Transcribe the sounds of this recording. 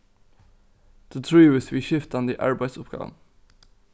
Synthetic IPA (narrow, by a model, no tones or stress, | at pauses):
ð̥ət̪ʰɹʉːɪsʋiʃɪft̪ɑnd̪əḭːʔɑ̰ɹbæɪsʊpɡ̥ɑ̰ːʋə̰n